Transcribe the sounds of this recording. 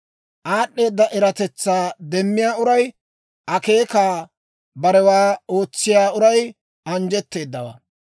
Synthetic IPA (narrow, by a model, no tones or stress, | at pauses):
ʔaːɗːe̞ːd̪ːɐʔɛɾɐt̪ɛt͡sːaːd̪ɛmːɪjaːʊɾɐj | ʔɐke̞ːkaː | bɐɾɛwaːo̞ːt͡sːɪjaːʊɾɐj | ɐnd͡ʒɛt̪ːe̞ːd̪ːɐwɐ̰